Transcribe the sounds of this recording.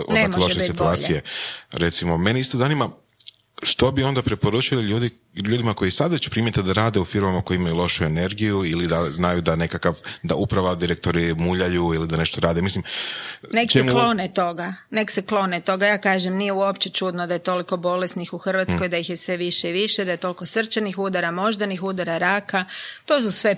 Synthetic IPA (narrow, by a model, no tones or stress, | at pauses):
on̰naoloʃesit̪uaːijeɾe̞t̪simo̞meneist̪ozanima | ʃt̪o̞bio̞nd̪apɾepo̞ɾut͡ʃiliʎuːd̪i | ʎuːd̪imako̞jisad̪ʋet͡ɕu̥pɾiːmjet̪id̪aɾaːd̪eufiɾmamako̞jimajulˠo̞ʃue̞ne̞ɾɡijuilid̪aznajud̪ane̞kakaʋd̪a̰upɾaʋad̪iɾek̚t̪o̞ɾimuʎajuilid̪ane̞ʃt̪o̞ɾaːd̪emislimnekeeklˠo̞net̪o̞ɡanekseklo̞net̪o̞ɡajaːkaːʒemnijeuopt͡ɕet͡ʃud̪nod̪aje̞t̪o̞liko̞bo̞lesnixuxr̩ʋat̪sko̞jd̪aixjesʋe̞ʋiʃeʋiʃed̪aje̞t̪o̞liko̞sr̩t͡ʃanixud̪aɾamo̞ʒd̪anixud̪aɾaɾakat̪o̞ːs̬usʋe̞